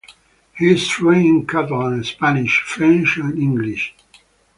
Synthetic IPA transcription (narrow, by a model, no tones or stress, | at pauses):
hiz̥tʰɹẽnkʰatəlˠə̃nspænɪʃfɹɛ̃nt͡ʃə̃nɪ̃ŋɡliʃ